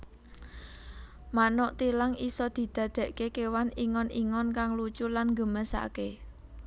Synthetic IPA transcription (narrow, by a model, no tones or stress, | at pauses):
manɔʔt̪ilaŋisɔd̪̥i̤d̪̥ä̤d̪̥e̤ʔkekewaniŋɔniŋɔnkaŋlut͡ʃulanŋɡəməsa̰ke